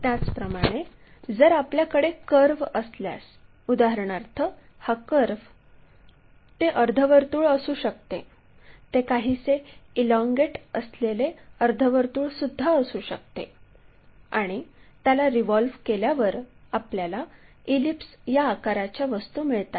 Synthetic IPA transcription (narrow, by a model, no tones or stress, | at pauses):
t̪jat͡spɾəmaɽ̃e | d͡zəɾapljakəɽekəɾʋəslja̰s | ud̪aɦəɾɳ̃aɾt̪ʰə | hakəɾʋ | t̪eʔəɾd̪ʱəʋəɾt̪uːɭəsuːɕəkt̪e | t̪ekaɦiːseilɔŋɡeʈəsleleəɾd̪ʱəʋəɾt̪uːɭsud̪ʱːaəsuːɕəkt̪ḛ | aɽ̃it̪jalaɾiʋɔlʋkeljaʋəɾapljala | ilipsjaːkaɾat͡ɕjaʋəst̪uːmiɭt̪a